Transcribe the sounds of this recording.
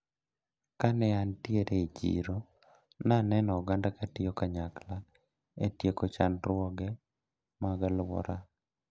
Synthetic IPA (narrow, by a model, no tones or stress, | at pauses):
kanɛantjeɾʔeit͡ʃḭɾo | nanɛnɔɔɡandakatɪjɔkaɲakla | etjekot͡ʃa̰nɾʊwɔɡɛ | maɡalwɔ̰ɾa